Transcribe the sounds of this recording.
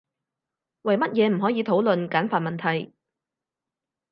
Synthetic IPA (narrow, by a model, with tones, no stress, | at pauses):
wɐ˨˩jmɐ˥t̚jɛː˨˧m̩˨˩ɦɔː˨˥jiː˨˧t̪ʰo˨˥wlɵ˨nkaː˨˥nfaː˨t̚mɐ˨nt̪ʰɐ˨˩j